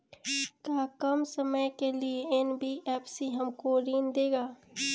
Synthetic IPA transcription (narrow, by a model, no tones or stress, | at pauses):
kaːkəmsəməjkelieenbiɛːpsiɦəmkoɾiːnd̪eːɡaː